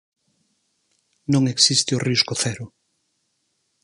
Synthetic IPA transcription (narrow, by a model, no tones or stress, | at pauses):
nõŋeksist̪eʊriskʊθɛɾʊ